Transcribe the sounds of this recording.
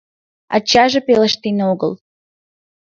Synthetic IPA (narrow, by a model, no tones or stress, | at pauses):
a̰t͡ɕaʒepelˠəʃt̪enoɡə̰lˠ